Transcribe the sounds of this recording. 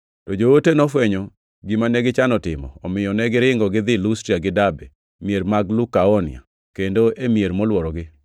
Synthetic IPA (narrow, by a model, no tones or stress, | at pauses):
tɔd͡ʒowotenɔfwɛɲɔ | ɡɪmanɛɡɪt͡ʃanɔtɪmɔ̰ɔmɪjɔnɛɡɪɾɪŋɡɔɡɪd̪ɪlustɾiaɡɪdabe | mieɾmaɡlukaɔnɪ̰a̰ | kendoʔemieɾmɔlwɔɾɔɡɪ